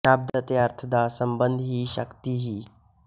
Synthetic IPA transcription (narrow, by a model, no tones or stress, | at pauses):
ab̚d̪ət̪eaɾt̪ʰəd̪asəmbənd̪ʱɦiːʃəkt̪iɦiː